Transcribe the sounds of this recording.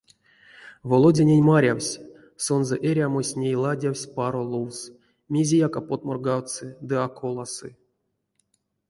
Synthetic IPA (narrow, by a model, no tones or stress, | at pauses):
volˠodʲenʲenʲmaɾʲawsʲ | so̞nzeʔeɾʲamosʲnʲejlˠadʲawsʲpaɾolˠuws | mʲezʲejakapot̪̚morɡawsɨd̪ɨakolˠasɨ̰